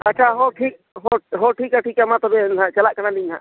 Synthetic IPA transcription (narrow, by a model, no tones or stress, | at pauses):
at͡ʃʰaɦoʈʰik̚ | ɦoɦoʈʰikaʈʰikamãt̪ɔbenãt͡ʃəlaʔkənalinã̰